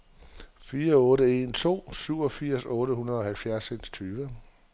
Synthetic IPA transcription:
fiːɐɔ̽ːɾəe̝nt͡sʰo̝̰ːsyʊɒ̽fiɐ̰sɔ̽ːɾəhunɐð̞ˠɒ̽hælfjæɐsenst͡sʰyːʋə

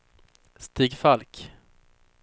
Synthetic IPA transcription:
st̪iːɡfalk

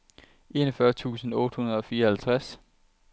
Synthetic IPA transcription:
ʔe̝ːnɒfɶɐt͡sʰṵːsn̩ɔ̽ːd̥əhunɐð̞ˠɒ̽fiːɐhælt͡sʰʁas

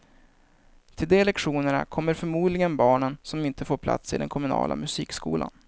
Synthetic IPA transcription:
t̪ʰɪld̪ɛlɛkɧuːnəɳa̰kʰɔmːəɾfœɾmuːd̪lɪɡənbɑːɳənsɔmɪnt̪əfoːɾpʰla̰t̪sɪ̰d̪ɛ̰nkʰɔmɵnɑ̰ːlʔa̰mɵsiːkskuːlʔa̰n

